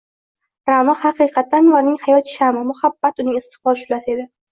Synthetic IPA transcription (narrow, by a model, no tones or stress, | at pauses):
ɾanɒhɑqɨjqʰɑt̪ːanlaɾnɪŋhajɒt̪ʃamɪmʊhabːat̪ʊnɪŋɪst̪ɪ̥χbɒɾʃʊlase̞d̪ɪ